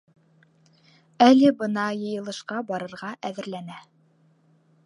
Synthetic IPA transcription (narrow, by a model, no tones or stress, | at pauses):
ælɘbɤnɑjɤ̆jɤ̆lˠɤ̆ʃqɑbɑɾɤ̆ɾʁɑʔæðɘ̆ɾlænæ